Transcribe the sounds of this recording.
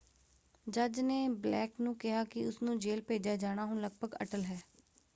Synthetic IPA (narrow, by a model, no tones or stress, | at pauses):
d͡ʒəd͡ʒneːblɛːknũːkɪɦaːkɪʊsnũːd͡ʒeːlpeːd͡ʒjaːd͡ʒaːɽ̃aːɦʊɳləɡ̚bʱəɡə̰ʈəlɦɛː